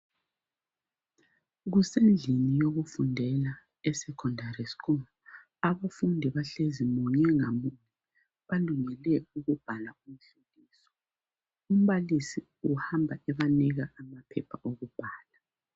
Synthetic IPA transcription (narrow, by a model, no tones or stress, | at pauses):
ɣusend͡ɮʱinijoɣufundʱɛla | ɛsɛkʰɔndʱaɾiskɔm | aβafundʱiβaɬezimɔɲɛŋamuɲɛ | βaluŋɛlɛuɣub̥ʱalaum̩ɬulʱiːsɔ̥ | um̩βalisi | uhambʱaʔɛβaniɣaʔamapʰɛpʰaʔoɣub̥ʱaːla